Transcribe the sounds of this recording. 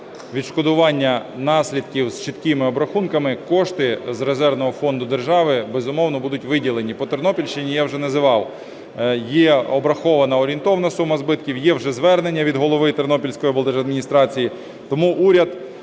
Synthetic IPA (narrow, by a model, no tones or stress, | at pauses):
ʋʲid̪ʃkɔd̪ʊʋɑnʲːɐnɑsʲlʲid̪̚kʲiwst͡ʃɪt̪kɪmɪɔbɾɐxunkɐmɪkɔʃt̪ɪzrezɛrnɔɦɔfɔnd̪ʊd̪erʒɑʋɪbɛzʊmɔwnɔbud̪ʊtʲʋɪdʲilˠenʲipɔt̪ernɔpʲilʲʃt͡ʃɪnʲijawʒɛnɐzɪʋɑw | jɛɔbɾɐxɔʋɐnɐɔɾʲint̪ɔʋɐnɐsumːɐzbɪt̪kʲiwjɛwʒɛzʋɛrnenʲːɐʋʲid̪ɦɔlˠɔʋɪt̪ernɔpʲilʲsʲkɔjiɐbɔlˠd̪ɛʒɐd̪mʲinʲist̪ɾɑt͡sʲiji | t̪ɔmuʔuɾʲɐd̪